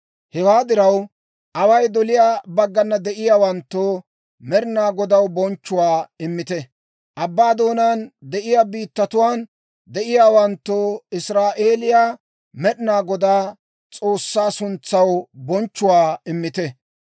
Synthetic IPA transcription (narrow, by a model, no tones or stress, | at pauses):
hɛwaːd̪ɪɾɐw | ʔɐwɐjd̪ɔlɪjaːbɐɡːɐnːɐd̪ɛʔɪjaːwɐnt̪ːoː | mɛɾɪnaːɡɔd̪ɐwbɔnt͡ʃːʊwaːɪmːɪt̪ɛ | ʔɐbːaːd̪o̞ːnand̪ɛʔɪjaːbiːt̪ːɐt̪ʊwaːn | d̪ɛʔɪjaːwɐnt̪ːoɪsɾaːʔe̞ːlɪjaː | mɛɗɪnaːɡɔd̪aː | t͡sʼo̞ːsːaːsʊnt͡sːɐwbɔnt͡ʃːʊwaːɪmːɪt̪ɛ